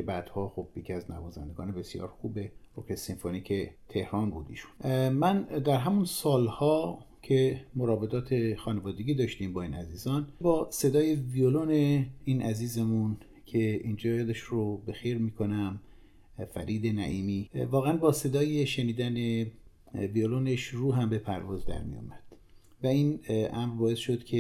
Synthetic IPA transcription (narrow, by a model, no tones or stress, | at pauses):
kebæːd̪̥hɒːxob̥jecʰæznæ̰vɔːzæ̰nd̪eɡɒ̰ːnebe̞sijɒ̰ːɾxuːbeokesinfoniːcʰet̪ʰe̞hɾɒːnbuːd̪ḭːʃu̥nmænd̪æɾɦæmunsɒːlhɒː | cʰe̞moɾɒːbe̞d̪ɒːt̪ʰe̞xɒːnevɒːd̪eɡʲiːd̪ɒːʃt̪iːmbɒːiːnæziːzɒːnbɒːse̞d̪ɒːjevioloneiːnʔæziːzemun | cʰe̞iːnd͡ʒɒːjɒːd̪eʃrobe̞xejɾmiːkʰo̞næm | fæ̰ɾʔiːd̪e̞næ̰ʔiːmiːvɒːɣeænbɒːse̞d̪ɒːjeʃeniːd̪æne | violoneʃruːɦæmbe̞pʰæ̰ɾvɒːzd̪æ̰ɾmḭjṵmæd̪̥ | væiːnʔæmɾbɒːe̞sʃo̞d̪cʰe